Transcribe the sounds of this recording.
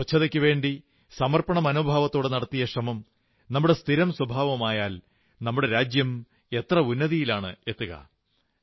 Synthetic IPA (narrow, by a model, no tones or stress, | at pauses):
sɐt͡ɕʰːɐðɐkʲːɨʋe̞ːɳɖi | sɐmɐrpɐɳɐmɐnubʱaːʋɐt̪ːo̞ːɽenɐɽɐt̪ːijɐʂrɐmɐm | nɐmːuɽe̞st̪ʰiɾɐmsubʱaːʋɐmaːjaːl | nɐmːuɽe̞ɾaːd͡ʑjɐm | e̞t̪rɐunːɐðijilaːɳɨe̞t̪ːuɣɐ̰